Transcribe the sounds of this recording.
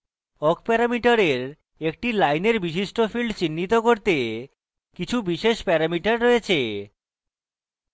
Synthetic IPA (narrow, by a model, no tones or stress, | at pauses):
ɔkpɛɾamiʈaɾeɾ | ek̚ʈilajneɾbiʃ̬iʃʈofilɖt͡ɕinːit̪okoɾt̪e | kit͡ɕʰubiʃeʃpɛɾamiʈaɾːojet͡ɕʰe